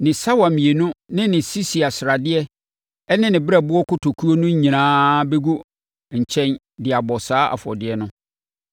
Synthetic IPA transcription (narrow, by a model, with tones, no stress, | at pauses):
nɪ̃˨sa˦wa˨mĩ˨e˨nʊ̃˦nɪ̃˦nɪ̃˨si˦si˨a˨sɾa˨dɪ˦ɛ˦ | ɛ˦nɪ̃˦nɪ̃˨bɛ˦˨bʊ˦ɔ˦kʰʊ˦tʰo˨kʰu˦o˦nʊ̃˦ɲ̩˦ɲĩ˨nãː˦be˦ɡu˦ | ɲ̩˨t͡ɕʰɛ̃˦n | dɪ˨a˨bɔ˨saː˦ʔa̰˨fʊ˨ɔ̰˨dɪ˦ɛ˦nʊ̃˦